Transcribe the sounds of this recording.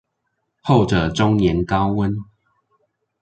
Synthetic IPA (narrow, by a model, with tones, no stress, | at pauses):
ho˥˨ʊʈ͡ʂə˨˩ʈ͡ʂʊ˦ŋnjɛ˨˦nkɑ˦ʊwə˦n